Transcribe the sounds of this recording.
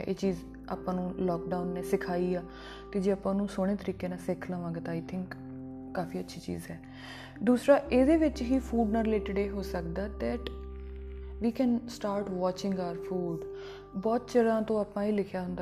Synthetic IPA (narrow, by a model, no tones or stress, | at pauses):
ʔḛːt͡ʃiːz | aːpãːnũːlɔːk̚ɖaːʊnːɛːsɪkʰaːiːaː | t̪eːd͡ʒeːaːpãːnũːsoːɽ̃eːt̪əɾiːkeːnãːsɪkʰlãːʋãːɡːt̪aːɪt̪ʰɪ̃ŋkː | aːfʰiːətːʃʰiːt͡ʃḭːzɛː | d̪uːsɾaːʔeːd̪eːʋɪt͡ʃɦiːpʰuːɖnãːɾɪleːʈɪɖeːɦoːsək̚d̪aːd̪ɛːʈ | ʋiːkɛ̃ːnsʈaːɾʈʋɔːt͡ʃɪ̃ŋɡaːəɾfʰuːɖ | bɔːt̪t͡ʃəɾãːt̪õːaːpãːɦiːlɪkʰjaːɦʊ̃nd̪a